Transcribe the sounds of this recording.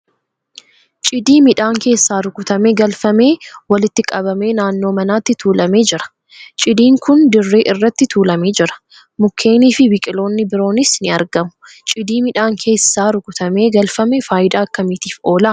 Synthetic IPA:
t͡ʃʼɪd̪iːmɪᶑaːŋke̞ːsːaːɾʊkʊt̪ɐmeɡɐlfɐme̞ːwɐlɪt̪ːɪkʼɐβɐme̞ːnaːnːoːmɐnaːt̪ːɪt̪uːlɐme̞ːd͡ʒɪɾɐ̥ | t͡ʃʼɪd̪iːŋkʊnd̪ɪrːe̞ːʔɪrːɐt̪ːɪt̪ʰuːlɐme̞ːd͡ʒɪɾɐ̥ | mʊkʰːe̞ːniːfɪbɪkʼɪlo̞ːnːɪbɪɾo̞ːnɪsnɪɐɾɡɐmʊ̥ | t͡ʃʼɪd̪iːmɪᶑaːŋkʰe̞ːsːaːɾʊkʊt̪ɐme̞ːɡɐlfɐmɛfaːjɪd̪aːɐkːɐmɪt̪iːfo̞ːlɐ

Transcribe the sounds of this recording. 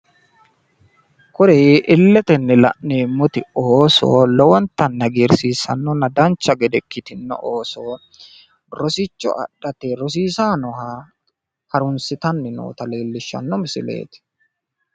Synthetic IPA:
kʊɾɛʔɪlːɛt̪ɛnːɛlɐ̰ʔneːmːʊt̪ɪoːso̰ːlɔwɔnt̪ːɐnːɐɡiɾsiːsɐ̰nːɔnɐd̪ɐnt͡ʃːɐɡɛd̪ɛkːɪt̪ɪnːɔ̰ʔoːsoː | ɾɔsɪt͡ʃːɔ̰ʔɐ̰ɗɐt̪eɾɔs̬iːsaːnɔhaː | hɐɾʊnsɪt̪ɐnːɪno̰ːt̪ɐle̞ːlːɪʃːɐ̰nːɔmɪsɪ̰lḛːt̪ɪ̥

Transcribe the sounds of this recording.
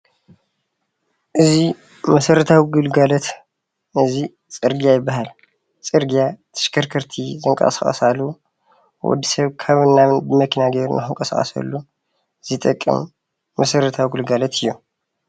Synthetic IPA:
ʔɨzi | mɐsɐɾɐt̪ʰawiɡɨlɡalɐt̪ | ɨzi | t͡sʼɨɾɡijajɪbːaɦal | t͡sʼɨɾɡijat̪ʰɐ̥ʃkʰɐɾkʰɐɾt̪ʰizɨŋkʼɐ̰sɐ̰χʼɐ̰salːu | wɔ̰d̪ːisɐβkʰaβɨnːaβɨnbɨmɐkʰinaɡeɾunʔaxɨŋkʼɐsaχʼɐ̰sɐ̰lːu | z̥ɨt̪ʼɐkʼːɨ̰mː | ɐsɐɾɐt̪ʰawiɡɨlɡalɐt̪ʰɨjːu

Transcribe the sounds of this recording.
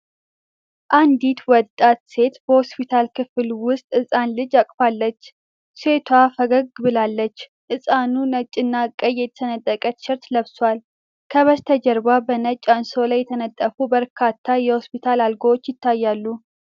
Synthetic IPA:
ʔand̪it̪wɔt̪ʼat̪se̞t̪bəhospit̪ʰalkʰɨfɨlwʊst̪ʼɨsʼanlɨd͡ʒakʼfalːət͡ʃː | set̪ʰwafəɡəɡɡɨbɨlalːət͡ʃː | ʔɨsʼanunət͡ʃʼːɨnːakʼːəjːɛt̪ʰt̪ʰənət̪ʼːəkʼət̪ʃɪɾt̪ləβswal | kʰəβəst̪ʰəd͡ʒɛɾbabənət͡ʃʼːansowlajːɛt̪ʰənət̪ʼːəfubəɾkʰat̪ʰːajɛhospit̪ʰalalɡəwot͡ʃːjɪt̪ʰːajːalːu

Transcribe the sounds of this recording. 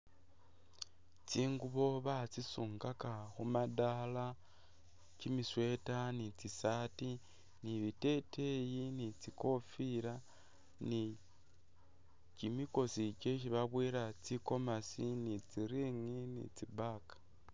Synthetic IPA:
t͡siːŋɡuβo̞βat͡sisuːŋɡakaxumadala | cimiswe̞tanit͡sisati | niβite̞tʰe̞jinit͡siko̞fiɾa | ni | cimiko̞sice̞ʃiβaβwiːɾat͡siko̞masinit͡siɾiŋinḭt͡sibakḁ

